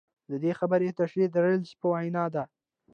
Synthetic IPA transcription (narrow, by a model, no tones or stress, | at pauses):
d̪əd̪exabəɾet̪aʃɾiaɽəlspəwajnɑd̪a